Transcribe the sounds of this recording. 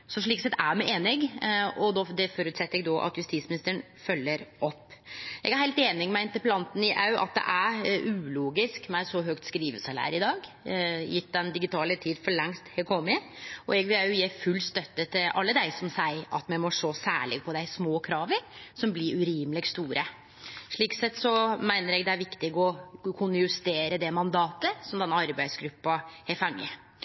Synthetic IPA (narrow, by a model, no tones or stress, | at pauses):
sɔʂɭiːksɛt̪ːæmɛʔeːnɪɡɔd̪ɔd̪ɛfɔɾʉːt̪sɛt̪ːəɾɛɡ̚d̪oːʔɑ̰t̪jʉst̪iːt̪smɪnɪst̪əəɳ | fœlːəɾʔɔpːʔɛ̰ɡæɾhæɪlt̪eːnɪŋmɛɪnt̪əplɑnt̪n̩ɪʔɑʉʔɑ̰t̪̚d̪ɛ̰ʔæʉːluːɡɪskmæɪsɔɦøːk̚t̪skɾiːʋəsɑlæ̰ɾɪd̪ɑːɡ | jɪt̪ːd̪ɛnd̪ɪɡɪt̪ʰɑːlət̪ʰiːd̪fɔɭɛŋst̪hɛkʰɔmɪɔ̰ɛɡʋɪlæjʊjeːfʉlst̪œt̪ːət̪ʰɪlʔɑ̰lːəd̪æɪsɔmsæɪʔɑt̪mɛɪmɔʂoːsæ̰ːɭɪɡ̚pʰɔd̪æɪsmoːkʰɾɑːʋəɾsɔmblɪɾʉɾiːmlɪɡst̪uːɾə | ʂɭiːksɛt̪ːsɔmæɪnəɾɛɡd̪ɛæɾʋɪkt̪ɪɡɔkʰʊnjʉst̪eːɾəd̪ɛmɑnd̪ɑːt̪əsɔmd̪ɛnɑɾbæɪsɡɾʉpːɑɛfɑŋːə̰